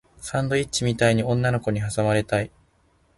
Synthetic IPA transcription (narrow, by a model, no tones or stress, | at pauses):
sãnd̪o̞itt͡ɕːimʲit̪aiɲ̟iõ̞nːano̞ko̞ɲ̟iɦasamaɾe̞t̪ai